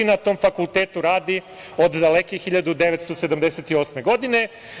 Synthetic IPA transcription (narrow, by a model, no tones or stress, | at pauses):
inat̪o̞ːmfakulˠt̪eːt̪uɾaːd̪i | o̞d̪d̪alekixiʎad̪ud̪e̞ʋet̪st̪osed̪amd̪e̞set̪io̞ːsme̞ɡo̞d̪ine̞